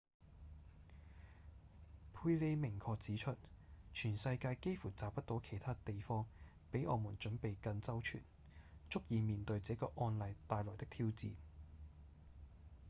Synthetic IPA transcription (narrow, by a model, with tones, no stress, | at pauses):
pʰuː˧jle˨˧jmɪ˨˩ŋkʰɔː˧k̚t͡siː˨˥t͡ʃʰɵ˥t̚t͡ʃʰyː˨˩nsɐ˧jkaː˧jke˥jfuː˨˩t͡saː˨p̚ːɐ˥t̚t̪o˨˥wkʰe˨˩jt̪ʰaː˥t̪e˨jfɔː˥ŋ | pe˨˥jʔɔː˨˧muː˨˩nt͡ʃɵ˨˥npe˨jkɐ˧nt͡sɐ˥wt͡ʃʰy̰˨˩n | t͡ʃʊ˥k̚jiː˨miː˨nt̪ɵ˧ɥt͡sɛː˨˥kɔː˧ʔɔː˧nlɐ˨jt̪aː˨˧jlɔː˨˩t̪ɪ˥k̚t̪ʰiː˥wt͡siː˨˧n